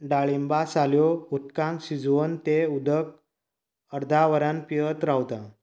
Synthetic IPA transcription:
ɖaɭimbasaljout̪kãŋkɕid͡zʋənt̪eud̪ək̚ | əɾd̪ʱaʋəɾãnpijət̪ɾawt̪ã

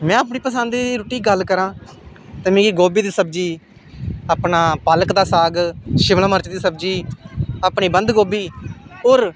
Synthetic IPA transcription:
mɛ̃ːəːp̬ɳiːpəsãːnd̪iːd̪iːɾoːʈiːɡəlːkəɾãː | t̪emẽːɡiːɡoːbiːd̪iːsəb̚d͡ʒiː | aːpnaːpələkd̪aːsaːɡʃɪʋlãːməɾt͡ʃːd̪iːsəbd͡ʒiːaːpɳiːbənd̪ɡoːbiːoːɾ

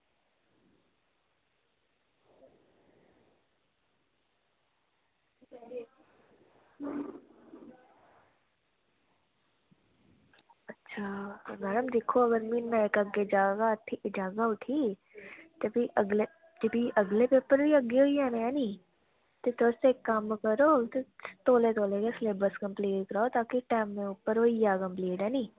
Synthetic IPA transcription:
ɐtːʃʰat̪ːmɛːɖəmd̪ekʰoɐɡəɾminːaekəɡed͡ʒaːɡat̪ʰːid͡ʒaːɡaʊʈʰiː | t̪ebiʔəɡle | d͡ʒəbʱiʔɐɡlepeːpəɾbiɐɡeɦoːiɛːneãːniː | t̪et̪osekːaːmːkəɾoːt̪ot̪oːlet̪oːlekesleːbəskɐ̃mpliːʈkɾaːot̪aːkiʈaːmːẽʊpːəɾɦoːiaːkɐ̃mpliːʈɛːniː

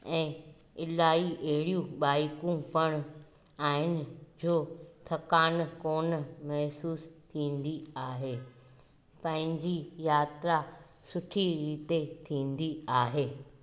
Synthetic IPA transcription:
ɛ̃ː | ɪlaːiʔɐɦɪɽijũɓaːikũpɐɽ̃ʊ | aːɦɪnɪ̆d͡ʑoːt̪ʰɐkaːnkoːnmɐɦsuːst̪ʰĩːn̆d̪iaːɦeː | pɐ̃ɦɪ̃ɲd͡ʑijaːt̪ɾa | sʊʈʰiɾiːt̪et̪ʰĩːn̆d̪iaːɦeː

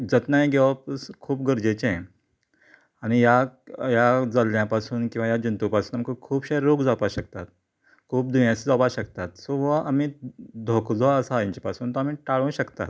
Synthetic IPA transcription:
d͡zət̪najɡʱeʋapskʰuːpɡəɾd͡ʑet͡ɕẽ | añijajad͡zəljãpasuːnkĩw̃ʋajad͡ʑunt̪upasuːnamkəkʰuːbɕajəɾːoɡd͡zapaɕəkt̪at̪̚ | kʰuːp̚d̪ʱujãsd͡zapaɕəkt̪at̪sɔʋəʔamiːd̪ʱokd͡zoəsaːĩɲt͡ɕepasuːnt̪ɔamiːʈaɭũɕəkt̪a̰t̪̚

